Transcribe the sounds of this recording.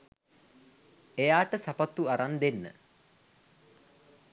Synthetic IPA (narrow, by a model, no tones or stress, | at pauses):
ejaːʈəsapat̪ːuaɾand̪enːə̰